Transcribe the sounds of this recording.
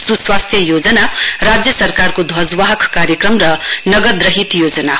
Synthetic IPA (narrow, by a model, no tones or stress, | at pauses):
suswast̪ʰjʌjod͡zʌnarad͡zjʌsʌrkarkod̪ʱʌd͡zwaɦʌkkaɾjekrʌmrʌnʌɡʌd̪rʌɦit̪jod͡zʌna